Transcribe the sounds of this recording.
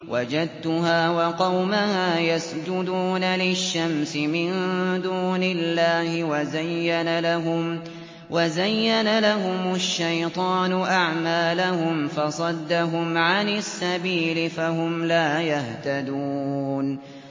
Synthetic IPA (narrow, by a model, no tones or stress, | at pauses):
wʔad͡ʒad̪̚t̪ʊɦaːwɑqɑwmahaːjasd͡ʒʊd̪uːnalɪʃːamsɪmɪnd̪uːnɪlːaːhɪwazajːanalaɦʊm | wazajːanalaɦʊmʊʃːajt̪ˤɑːnʊʔaʕmaːlahʊmfɑsˤɑd̪ːaɦʊmʕanɪsːabiːlɪfahʊmlaːjaht̪ad̪un